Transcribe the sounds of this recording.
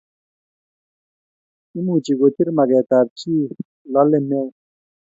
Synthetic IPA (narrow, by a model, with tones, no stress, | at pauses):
i˥˨mu˥˨t͡ɕi˩˨ɡo˩˨t̪ʰe˥rma˩˨ɡɛː˨t̪a˩˨rt͡ɕʰiː˥˨ | la˩˨le˥˨me˥˨